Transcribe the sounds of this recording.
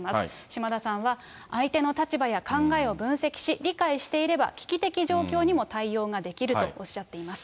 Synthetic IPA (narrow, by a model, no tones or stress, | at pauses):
mas | ɕimad̪asãɰ̃βa | ait̪e̞no̞t̪at͡ɕibajakãŋɡae̞o̞bɯ̟̃ɰ̃se̞kʲi̥ɕiɾʲikaiɕi̥t̪e̞iɾe̞ba̰kʲi̥kʲit̪e̞kʲiʑo̞ːkʲo̞ːɲ̟imo̞t̪aijo̞ːɡad̪e̞kʲiɾɯ̟to̞oɕːat̪ːe̞imasɨ̥